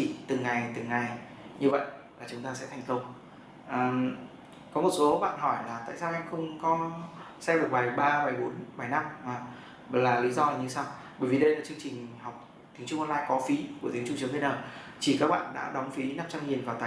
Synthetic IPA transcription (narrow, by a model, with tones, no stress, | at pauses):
i˧˩t̪ɨ˨˩ŋːa˨˩jt̪ɨ˨˩ŋa˨˩j | ɲɨ˧və̰˧˨jʔ | laː˨˩t͡ɕʊ˨˦ŋ͡mt̪aː˧sɛ̰˧˥t̪ʰjŋ̟kə˧wŋ͡m | ʔəː˨˩ | kɔ˨˦mo˨˩t̚so˨˦ɓa̰ː˧˨nɦɔ˧˩jlaː˨˩t̪a̰ː˧˨jsaː˧ʔɛ˧jmxə˧wŋ͡mkɔ˨˦sɛ˧ɗɨ˨˩ək̚ɓaː˨˩jɓaː˧ɓa˨˩jɓo˨˦nɓa˧˩jna˧mmaː˨˩ | laː˨˩li˨˦zɔ˧laː˨˩ɲɨ˧saː˧w | ɓəː˧˩jvi˨˩ɗə˧jlaː˨˩t͡ɕɨ˧əŋt͡ɕï˨˩ŋ̟hɔ˨˩wk͡p̚ | t̪ʰi˨˦ŋɲt͡ɕʊ˧ŋ͡mʔɔ˧nlaː˧jkɔ˨˦fi˨˦ku˧˩ət̪i˨˦əŋt͡ɕʊ˧ŋ͡mt͡ɕɨ˨˦t̪ʰnaː˨˩ | t͡ɕi˧˩kaː˦˥k̚ɓa̰ː˧˨nɗa̰ː˧˥ɗɔ˨˦wŋ͡mfi˨˦na˦˥mt͡ɕa˧ŋɲi˨˩ənvaː˨˩t̪aː˨